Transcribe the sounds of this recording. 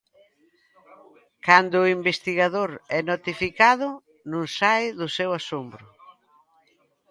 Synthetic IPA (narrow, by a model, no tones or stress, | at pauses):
kand̪ʊimbest̪iɣaðoɾɛnot̪ifikaðʊ | nũŋsajðʊsɛwasombɾʊ